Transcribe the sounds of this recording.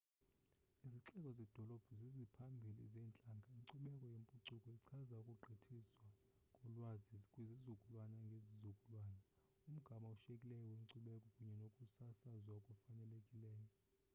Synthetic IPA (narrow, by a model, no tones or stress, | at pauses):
iziǁɛkʼɔzɛd̥ʱɔlɔb̥ʱuzizipʰambʱilḭzɛːnt͡ɬʼaŋɡʱaiŋǀuɓɛkʼɔjempʼuǀukʼɔiǀʰazaukʼuɡ͡ǃʱitʰiswa | kʼɔlwazizikʼwizizukʼulwanaŋɡʱezizukʼulwaːna | um̩ɡ̥ʱamauʃekʼilɛjɔwiŋǀuɓɛkʼɔkʼuɲɛnokʼusasazwaukʼufanɛlekʼilɛːjɔ